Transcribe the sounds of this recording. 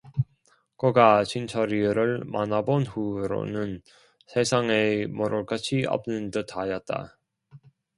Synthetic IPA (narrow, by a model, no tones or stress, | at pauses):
kʌɡat͡ɕʰint͡ɕʰʌɾiɾɯɭmanabonɸuɾo̰nɯn | sʰesʰaŋemʌɾoɭk͈at͡ɕʰiʌ̰p̚nɯndɯtʰajʌt̚t͈a̰